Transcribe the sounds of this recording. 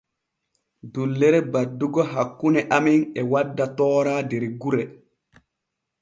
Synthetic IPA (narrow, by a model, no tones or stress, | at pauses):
dulːɛɾɛbadːuɡɔɦakːunɛʔaminɛwadːatɔːɾaːdɛɾɡuɾɛ